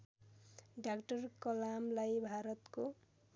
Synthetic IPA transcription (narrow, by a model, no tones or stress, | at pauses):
ɖakʈʌrkʌlamlajbʱaɾʌt̪ko